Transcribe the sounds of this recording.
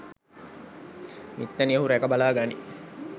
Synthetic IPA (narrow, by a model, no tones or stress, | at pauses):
mit̪ːɐniəɦuɾækɐbalaːɡani